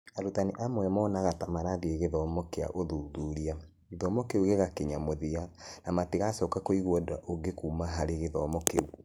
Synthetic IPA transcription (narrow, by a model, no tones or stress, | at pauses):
aɾutaneʔamwɛmɔnaɣatamaɾadieɣeðɔmɔkea̰ʔoðuːðuɾia | ɣeðɔmɔkeuɣeɣakeɲamoðianamateɣasɔːkakoiɣwɔdaʔoŋɡekuːmaɦaɾeɣeðɔmɔkḛu